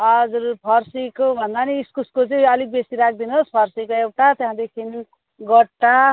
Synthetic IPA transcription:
ʌd͡zurpʰʌrsikobʱʌnd̪aniːskuskot͡sʌĩʌlik̚besiɾak̚ʰd̪inospʰʌrsikoewʈat̪jɦãd̪ekʰin | ɡʌʈːa

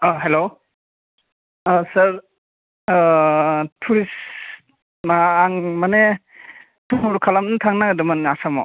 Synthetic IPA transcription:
aɦelo | sɐɾ | tʰuɾis | maːŋmane | tuuɾkʰalamnatʰaŋnaɡdɯmanasamɔ̰

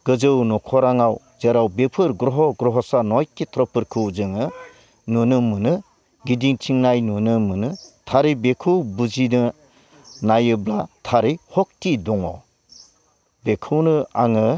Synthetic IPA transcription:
ɡ̥ɯzɯwnɔkʰɔɾaŋaw | zeɾawbepʰɯɾɡɾɔɦɔɡɾɔɦɔsanɔjkːitʰɾɔpʰɯɾkʰɯwzɯŋɯ | nunɯmɯnɯ | ɡidiŋtʰiŋnajnunɯmɯnɯtʰaɾibekʰɯwbud͡ʒinɯ | najɯblatʰaɾihɔk̚tidɔŋɔ | bekʰɯwnɯaŋɯ

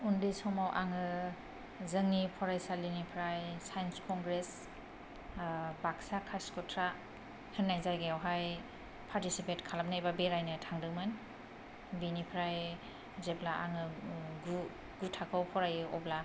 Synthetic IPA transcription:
undisɔmawʔaŋɯ | zɯŋnipʰɔɾajsalinipʰɾajsajnskʰɔŋɡɾes | baksakʰaskʰɔtʰɾa | hɯnːajzajɡejawɦaj | pʰaɾtisipetkʰalap̚najbabeɾajnɯtʰaŋdɯwmɯn | binipʰɾaj | zeblaʔaŋɯɡu | ɡutʰakʰɯwpʰɔɾajɯɔbla

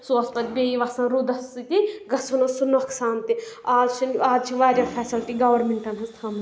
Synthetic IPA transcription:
suɐspɐt̪ʲbʲeːiʋɐsɐ̃nɾud̪ɐsːit̪iɡɐsunɐsunoɐksaːnt̪iaːlt͡ʃʰɐnaːdt͡ʃʰiʋaːɾjaːpʰɛːsilʈiɡɐʋɐɾmeɳʈɐnɦɐst̪ʰaːm

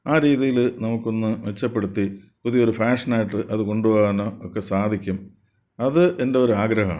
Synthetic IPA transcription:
aːɾiːðijilnɐmukːo̞nːɨʋe̞t͡ɕːɐpːe̞ɽut̪ːi | puðijo̞ɾufaːʂɐnaːjiʈːɨʔɐðɨko̞ɳɖuʋoːɐnːookːe̞saːd̪ʱikʲːum | ɐðɨʔe̞nde̞o̞ɾuaːɡɾɐɦɐa̰ːɳ

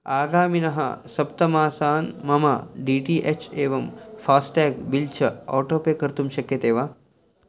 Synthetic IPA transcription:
aːɡaːminɐɦɐ̰sɐpt̪ɐmaːsaːnmɐmaːɖiːʈiːʔet͡ʃeːʋɐmfaːsʈɛːɡbilt͡ʃʰɐɔ̰ːʈoːpeːkɐɾt̪umʃɐkjɐt̪eːʋaː

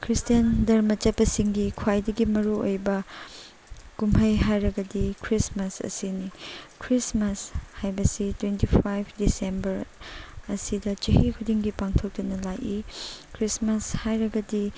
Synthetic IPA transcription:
kʰɾistijɐndɐɾmɐt͡ʃɐpːɐsiŋɡikʰwajdɐɡimɐɾuojbɐ | kumʰɐjɦajɾɐɡɐdikʰɾismɐsɐ̰sinikʰɾismɐshajbɐsitwentipʰajpʰdisembɐɾɐsidɐt͡ʃɐhikʰudiŋɡipaŋtʰok̚tunɐlajikʰɾismɐshajɾɐɡɐdi

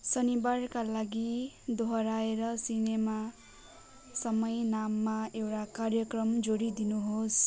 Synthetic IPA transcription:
sʌnibarkalaɡid̪ʱoɦʌɾaeɾʌsinema | sʌmʌjnamːaewʈakarjʌkrʌmd͡zoɽid̪inuɦos

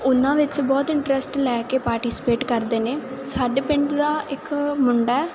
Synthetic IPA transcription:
ʊnãːʋɪt͡ʃbɔːt̪ɪɳʈɾəsʈlɛːkeːpaːɾʈiːsɪ̥peːʈkəɾd̪eːneːsaːɖeːpɪɳɖd̪aːɪkmʊɳɖaːɛː

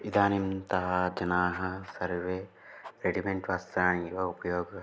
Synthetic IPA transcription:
id̪aːnimt̪ɐɦɐd͡ʒɐnaːɦɐsɐɾʋeː | ɾeɖimeɳʈʋaːst̪ɾaːɳ̃ijoupjoːɡ

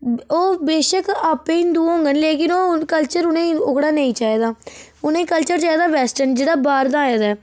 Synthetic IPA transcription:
oːbeːʃəkaːpːẽːɪnd̪uːõːŋɡənleːkɪnoːkəlt͡ʃəɾʊnẽːʊɡɽaːnəĩːt͡ʃaːeːd̪aːʊnẽːkəlt͡ʃəɾt͡ʃaːeːd̪aːʋɛːsʈənd͡ʒeːɽaːbaːɾd̪ãːjaːd̪aː

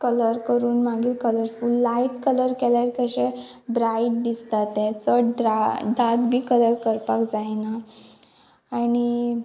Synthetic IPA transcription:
kələɾkəɾuːnmaɡiːlkələɾfuːlːaiʈkələɾkɛlaɾkəɕẽ | bɾaiʈ̚d̪ist̪at̪ẽt͡səaɖakbʱiːkələɾkəɾpakd͡zajna | añi

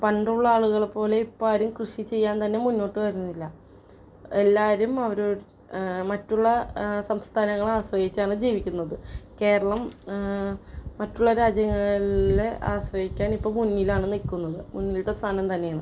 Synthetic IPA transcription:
pɐɳɖuɭːɐaːɭuɣɐɭpːo̞ːle̞ipːaːɾumkrɨʂit͡ɕe̞jːaːnt̪ɐnːe̞munːo̞ːʈːɨʋɐɾunːilːɐ | e̞lːaːɾumɐʋɐɾoː | mɐtːuɭːɐsɐmst̪ʰaːnɐŋːɐɭaːɕrɐhit͡ɕːaːɳɨd͡ʑiːʋikʲːunːɐðɨke̞ːɾɐɭɐm | mɐtːuɭːɐɾaːd͡ʑjɐŋːɐleʔa̰ːɕrɐhikʲːaːnipːo̞ːɭmunːilaːɳɨnilkunːɐðɨmunːilt̪ɐʋɐsʰaːnɐmt̪ɐnːejaːɳɨ

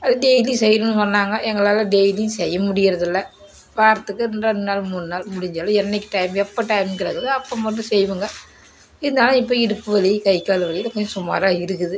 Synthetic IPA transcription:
ɐðɯɖɛɪlisɛjɾɯnːɯsɔnːaːŋɡɐʔɛŋɡɐɭaːlɐ̃ɖɛɪlisɛjːɐmʊɽɪjɪɾɐðɪlːɐ | paːɾɐt̪ːɯkːɯɾɛndɐnnaːlmuːnɯnaːlmʊɽɪɲd͡ʒaːlɐ̃ɛnːɛɪkːʈɐɪmɛpːɐʈɐɪmkɪɾɐɣɐðɯɐpːɐmʋɐnːɯ̃sɛjʋɯŋɡɐ | ɪðɯnd̪aːlɐ̃ɪpːoːɪɽɯpːɯʋɐɭikɐɪkːaːlʋɐɭɪjɪlkoɲd͡ʒɐsʊmːa̰ːɾaːɪɾɯkːɯðɯ

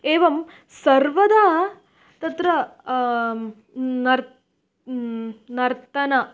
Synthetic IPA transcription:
eːʋɐm | sɐɾʋɐd̪aː | t̪ɐt̪ɾɐ | nɐɾ | nɐɾt̪ɐnɐ

